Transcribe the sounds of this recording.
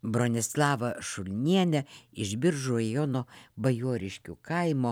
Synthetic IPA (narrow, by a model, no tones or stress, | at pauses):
bɾonʲɪslˠɑːʋɐʃʊlʲnʲiɛnʲɛɪʒʲbʲɪɾʒʊɾɐjɔnoːbɐjuːɾʲɪʃʲkʲṵkɐɪmo